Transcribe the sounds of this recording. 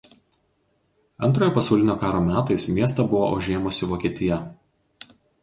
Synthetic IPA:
ɐ̰nt̪ɾoːjoːpɐsɐʊlʲɪnʲoːkɑːɾoːmʲæːt̪ɐɪsmʲiɛst̪ɐbʊʋoːʔɐ̰ʊʒʲeːmʊsʲɪʋoːkʲiɛt̪ʲɪjɛ

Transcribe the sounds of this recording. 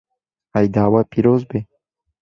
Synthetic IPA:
ajd̪aːwapiɾozbe

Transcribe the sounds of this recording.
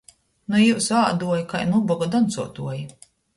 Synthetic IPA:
nujuwsaːd̪uɔjikajnubɔɡad̪ɔnt̪suɔt̪uɔji

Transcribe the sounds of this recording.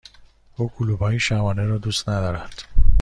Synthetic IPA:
uːkʰuluːbɒːjiʃæmɒːneɾɒːd̪uːst̪næd̪ɒːɾænd̪̥

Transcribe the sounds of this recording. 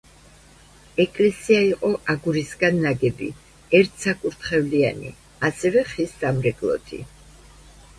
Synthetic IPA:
ɛkʼlɛsiaiqʼɔʔaɡuɾisɡanːaɡɛbḭ | ɛɾt̪ʰsakʼuɾt̪ʰχɛvlia̰nḭ | asɛvɛχisːamɾɛɡʼlˠɔ̰t̪ʰḭ

